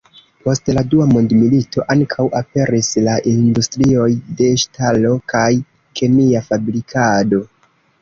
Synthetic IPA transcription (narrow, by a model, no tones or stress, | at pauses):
po̞stladuamo̞ndmilitʰo̞ʔaŋkʰawape̞ɾislaʔindustɾio̞jde̞ʃtʰalo̞kʰaj | kʰe̞niafabɾikʰado̞